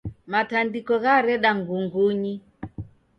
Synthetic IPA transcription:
matandikɔɣaɾɛɗaŋɡuŋɡuɲi

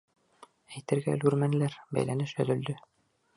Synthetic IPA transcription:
æjt̪ɘ̆ɾɡæ̰lʉɾmæn̆læɾbæ̰jlænɘʃɵ̆ðɵ̆ld̪ɵ

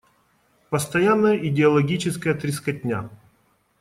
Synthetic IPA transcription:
pəst̪ɐjanːəjəʔɪdʲɪɐlˠɐɡʲit͡ɕɪskəjət̪ɾʲɪskɐtʲnʲa̰

